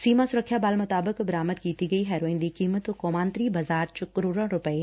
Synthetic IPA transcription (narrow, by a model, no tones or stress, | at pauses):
siːmasʊɾəkʰːjabaːlmʊt̪aːbəkbɐɾaːməd̪̚kiːt̪iɡɐiɦɛːɾoːẽnd̪ikiːmət̪koːmãːnt̪ɾiːbʱɐzaːɾt͡ʃʊkɾuɾə̃ɾʊpəe